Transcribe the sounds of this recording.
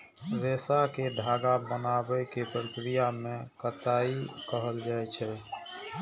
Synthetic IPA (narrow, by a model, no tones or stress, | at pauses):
ɾesaked̪ʱaːɡabənabəkepɾəkɾijamẽkət̪aikəɦəld͡ʒaɛt͡ʃʰɛ